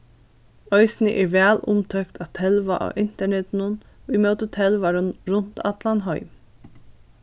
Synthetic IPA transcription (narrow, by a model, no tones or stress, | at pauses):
œʏsnəʔɛɹʋæːlʊmt̪ʰœkt̪ʰɑt̪ʰɛlʋaʔɑ̰ʔɪn̥t̪əɳɛt̪nʊn | imœwt̪ət̪ʰɛlʋaɾʊnɾʊn̥t̪ɑt̪lanɦɔʏ